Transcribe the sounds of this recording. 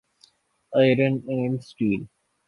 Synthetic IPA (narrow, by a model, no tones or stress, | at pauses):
aɪɾə̃nːẽːmsʈiːl